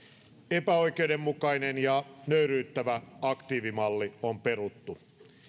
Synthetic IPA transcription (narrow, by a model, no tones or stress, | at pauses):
epæo̞jke̞ude̞mːukɑinenjɑnøyɾyːt̪ːæʋæɑkt̪iːʋimɑlːiompe̞rut̪ːu